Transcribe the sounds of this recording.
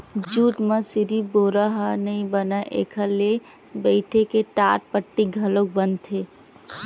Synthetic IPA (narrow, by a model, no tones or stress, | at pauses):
d͡ʒuːʈməsiɾiboɾəɦənəĩbənaʔekʰəle | bəɪʈʰekeʈaɾ̚pəʈːiɡʱəlok̚bənt̪ʰe